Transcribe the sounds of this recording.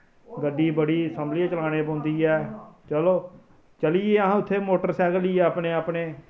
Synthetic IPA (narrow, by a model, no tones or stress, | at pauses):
ɡəɖːiːbəɽiːsəmblɪãːt͡ʃəlaːñeːpɔ̃ːnd̪iːɛːt͡ʃəloː | t͡ʃəliːeːəɦãːʊt̪ʰːeːmoːʈəɾsɛːɡəliːɛːəpneːaːpneː